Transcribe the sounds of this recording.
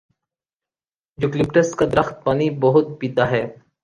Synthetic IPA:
d͡ʒʊklɪpʈəskad̪əɾəxt̪̚paːnibəɦʊt̪̚biːd̪aːɦɛː

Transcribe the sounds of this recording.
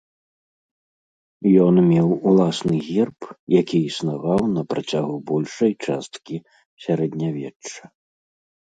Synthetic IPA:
jɔnmʲɛwulˠasnɨɣʲirpjakʲiisnavawnɐpɾat͡sʲaɣubɔlʲʂɐjt͡ʂast̪kʲi | sʲaɾɛd̪nʲavʲɛɐ

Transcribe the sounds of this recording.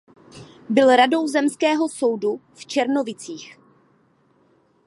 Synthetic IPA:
bɪlɾado̞wzɛmskɛːɦo̞so̞wduft͡ʃɛɾno̞vɪt͡siːx

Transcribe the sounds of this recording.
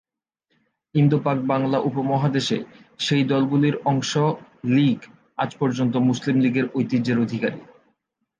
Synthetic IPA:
ind̪upak̚baŋlaʔupomɔɦad̪eʃḛʃejd̪ɔlɡuliɾɔŋʃoliɡ | a̰d͡ʑpɔɾd͡ʑont̪̬omuslimliɡeɾojt̪id͡ʑeɾod̪ʱikaɾḭ

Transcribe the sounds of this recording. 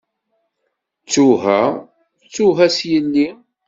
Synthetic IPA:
t͡sːuɦæ | t͡sːuɦæsjənːi

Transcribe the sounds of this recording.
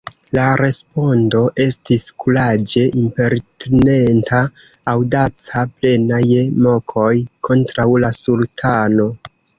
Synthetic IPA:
laɾe̞spo̞ndo̞ʔe̞stiskulad͡ʒe̞ʔimpe̞ɾtene̞ntʰaː | wdat͡saple̞najmo̞kʰo̞jkʰo̞ntɾawlasultʰano̞

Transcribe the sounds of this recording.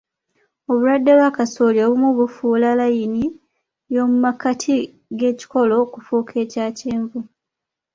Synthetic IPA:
o̞βuɾwadːelwakasoːljoβumuβufuːlalajini | jo̞mumakatʰi | ɡe̞ːci̥ko̞lo̞kufuːkʰe̞ːcaːceːɱvu

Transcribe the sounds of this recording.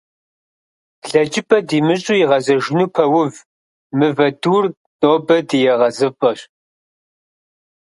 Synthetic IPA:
ɮɐd͡ʒʼɪpʼɐdiːmɨɕʼujiʁɐzɐʒɪnuːpʰɐwʊv | mɨvɐduːr | nʼoːbɐdijɛʁɐzɨpʼɐɕ

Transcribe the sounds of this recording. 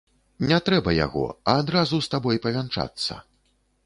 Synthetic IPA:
nʲɛt̪ɾɛbɐja̰ɣɔ̰ɐːd̪ɾazust̪abɔjpɐvʲant͡ʂa̰t̪sːɐ̰

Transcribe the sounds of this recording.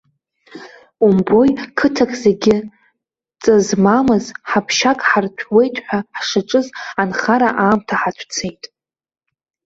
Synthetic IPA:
umbo̞jkʰɨtʰakʼzeɡʲɪ | t͡sʼazmamɨzħapʰʃakʼħartʷʰwe̞jtʼħʷᶣaħʂɨʈ͡ʂʼɨzanχaɾaʔaːmtʰaħat͡ʃʷʰt͡sʰe̞jtʼ

